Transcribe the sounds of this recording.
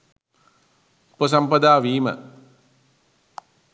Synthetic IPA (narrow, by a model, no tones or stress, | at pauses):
upːəs̬ampɐd̪aːʋiːmə̰